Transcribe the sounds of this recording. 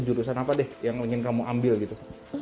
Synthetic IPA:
d͡ʒuɾusanapadɛhjaŋpiŋɪnkamuʔambɪlɡit̪u

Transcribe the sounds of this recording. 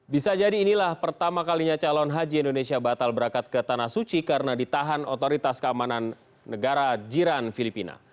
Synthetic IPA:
bisad͡ʒadiːnilahpərt̪amakaliɲat͡ʃalɔnɦad͡ʒiindonesiabat̪albəɾakat̪̚kət̪anahsut͡ʃikaɾənadit̪aɦanot̪oɾit̪askəamananː | əɡaɾad͡ʒiɾanfilipina̰

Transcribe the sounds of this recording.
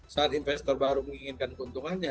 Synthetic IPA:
saːt̪infɛst̪ɔrbaɾuməŋiŋɪnkankunt̪uŋanɲa

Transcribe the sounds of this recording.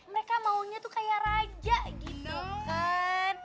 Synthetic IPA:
məɾekamauɲat̪ukajarad͡ʒaʔɡit̪ukan

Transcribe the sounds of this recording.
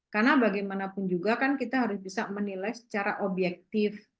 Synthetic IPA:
karnabaɡajmanapʊnd͡ʒuɡakankit̪aɦaɾʊsbisamənilajsə̥t͡ʃaɾaʔobjɛk̚t̪ɪf

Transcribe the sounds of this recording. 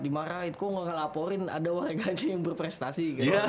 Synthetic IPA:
dimaɾait̪kɔŋəŋəlapɔɾɪna̰dawaɾeɡad͡ʒajaŋbərpɾɛst̪asika

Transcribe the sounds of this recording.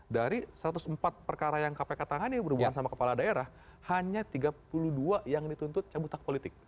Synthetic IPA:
daɾisəɾat̪usəmpat̪̚pərkaɾajaŋkapekət̪aŋanibəɾubuansamakəpaladaeɾah | haɲat̪iɡapuluduajaŋdit̪unt̪ʊt̪̚t͡ʃabut̪ak̚polit̪ɪk̚

